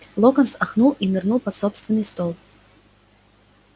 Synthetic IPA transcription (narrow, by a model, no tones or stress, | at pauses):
lˠɔkɐnsaxnulˠinɨrnulˠpɐt̪sɔpst̪vʲɪnːɨst̪ɔlˠ